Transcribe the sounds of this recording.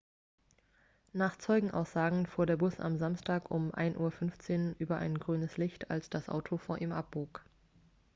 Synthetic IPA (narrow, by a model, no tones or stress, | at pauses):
naːχt͡sɔʏɡŋ̩ʔa̰ʊsz̥aːɡŋ̩fuːɐɾeːɐbʊsa̰mzamstʰaːkʊmʔa̰ɪnʔuːɐfʏnft͡seːnʔyːbɐʔa̰ɪnɡʁyːnəslɪçtʰa̰lsd̥asʔa̰ʊtʰofoːɐʔiːmʔap̚b̥oːk